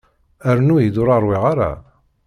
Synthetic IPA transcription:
æɾnujid̪ʊɾˤɑɾˤwɪʁaɾa̰

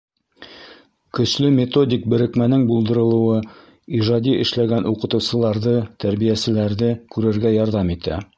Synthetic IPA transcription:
kɵ̆slɵmʲet̪o̞dʲik̚bɘ̆ɾɘ̆kmænɘŋbulˠd̪ɤ̆ɾɤ̆lˠɤ̆wɤ | iʒɑd̪ʲiʔɘ̆ʃlæɡænʔuqɤ̆t̪ɤ̆wsɤ̆lˠɑɾðɤt̪æɾβijæsɘ̆læɾðɘkʉɾɘ̆ɾɡæjɑɾðɑmit̪æ̰

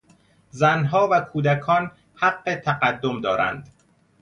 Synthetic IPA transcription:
zænɦɒːvækʰuːd̪ækʰɒːn | hæɢːe̞t̪ʰæɢæd̪ːomd̪ɒːɾæ̰nd̪

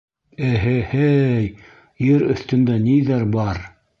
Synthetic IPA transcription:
ɘɦɘhæj | jɘɾɵ̰̆θt̪ɵ̆nd̪æniðæɾbɑɾ

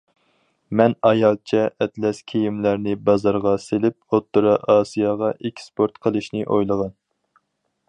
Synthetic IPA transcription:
mɛnɑjɑlˠt͡ʃʰɛʔɛt̪lɛskʲʰejimlæɾnɪbɑzɑɾʁɑselɪp̚ot̪ːuɾɑʔɑːsijɑʁɑʔekʲʰspoɾt̪qʰəlˠɨʃnɪʔojlˠəʁɑn

